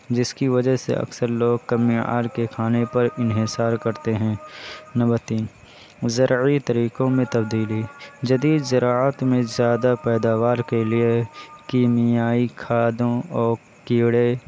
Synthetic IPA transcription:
d͡ʒɪskiʋɐd͡ʒəɦsḛʔɐ̰ksəɾloːɡ̚kɐmia̰ːɾkekʰaːnepɐɾɪnɦɪsaːɾkɐɾt̪eɦɛ̃ːnɐbəɾt̪iːn | zɐɾit̪ɐɾiːkõmẽt̪ɐbd̪iːlid͡ʒɐd̪iːd̪zɐɾaːət̪mẽzjaːd̪apɛːd̪aːʋaːɾkeliekiːmɪjaːikʰaːd̪õɔːɾ | kiːɽe

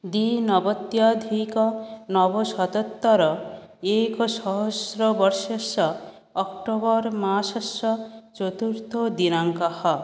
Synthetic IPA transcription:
d̪inɔbɔt̪jad̪ʱikɔnɔbɔsɔt̪ɔt̪ːɔɾɔ | ekɔsɔɦɔsɾɔbɔɾʃɔsɔ | ɔkʈobɔɾmasɔsɔt͡ʃɔt̪uɾt̪od̪inaŋkɔhɔ

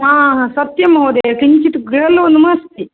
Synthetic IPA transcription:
ɦãːɦãsɐt̪jɐmɦɐd̪eːkiɲt͡ʃit̪uɡɾeɐlonumɐst̪ʰi

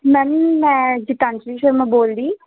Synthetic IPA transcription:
mɛnmɛ̃ːd͡ʒɪʈãːnt͡ʃɾiːʃəɾmãboːld̪iː

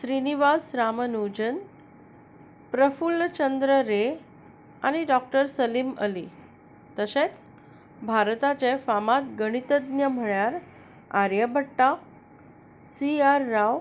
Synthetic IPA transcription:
ɕɾiniʋasɾamənud͡ʑən | pɾəfult͡ɕənd̪ɾəɾe | a̰ñiɖɔk̚ʈəɾsəlimə̰li | t̪əɕet͡s | bʱaɾt̪at͡ɕefamat̪ɡəɽ̃it̪əd̪njəm̤əɭjaɾ | aɾjəbʱəʈːa | siaɾːaʋ

